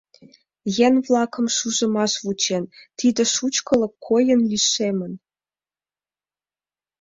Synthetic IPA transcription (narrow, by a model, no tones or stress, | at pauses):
jænvlɑkɤ̆mʃuʒə̆mɑʃβut͡ɕent̪id̪ə̆ʃut͡ɕkɤ̆lɤ̆kʰːojə̆nliʃemə̆n